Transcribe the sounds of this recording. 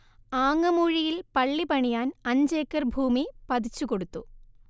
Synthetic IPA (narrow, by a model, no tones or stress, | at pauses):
aːŋːɐmuːɻijilpɐɭːipɐɳijaːnɐɲd͡ʑeːkːɐrbʱuːmipɐd̪it͡ɕːuko̞ɽut̪ːu